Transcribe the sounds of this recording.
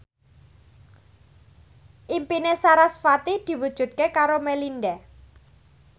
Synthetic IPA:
ʔimpinesaɾasfat̪id̪̥i̤wud̥ʒ̥ṳt̪̚kekaɾomelinɖɛ

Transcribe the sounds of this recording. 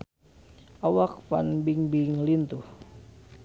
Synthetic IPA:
awakfa̰nbiŋbiŋlint̪uh

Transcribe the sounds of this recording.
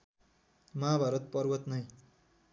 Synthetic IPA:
maːbʱaɾʌt̪̚pʌrwʌt̪nʌj

